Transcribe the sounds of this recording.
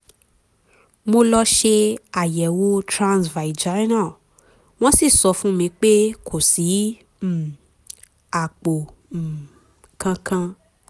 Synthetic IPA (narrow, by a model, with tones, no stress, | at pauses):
mo˧lɔ˧ʃe˧a˨jɛ˨wo˦tɾã˧nsva˨i˨d͡ʒa˨˦ɾnã˦˨ | w̃ɔ̃˦si˦˨sɔ˧fũ˦mĩ˧k͡pe˦kʰo˨si˨˦ | m̩˨ | a˨k͡po˨m̩˨ | kã˧kã˧